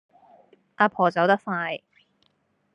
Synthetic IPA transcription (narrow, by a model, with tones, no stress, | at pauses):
ʔaː˧pʰɔː˨˩t͡sɐ˨˥wt̪ɐ˥k̚faː˧j